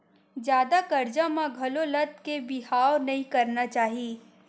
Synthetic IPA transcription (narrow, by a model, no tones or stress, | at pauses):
d͡ʒjaːd̪akɐɾd͡ʒãmãɡʱɐlolɐt̪kebɪɦaːwnɐɦĩkɐɾnat͡ʃaːɦiː